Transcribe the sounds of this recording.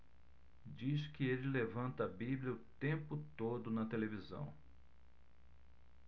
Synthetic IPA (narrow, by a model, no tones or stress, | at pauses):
d͡ʒiskɪelɪlevɐ̃nt̪ɐɐbibljɐʊt̪ẽmpʊt̪od̪ʊnɐt̪elevizɐ̰̃w̃